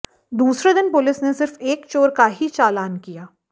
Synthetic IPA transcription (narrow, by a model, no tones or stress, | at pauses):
d̪uːsɾed̪ɪnpʊlɪsnesɪɾfeːkt͡ʃoːɾkaɦit͡ʃaːlaːnkijaː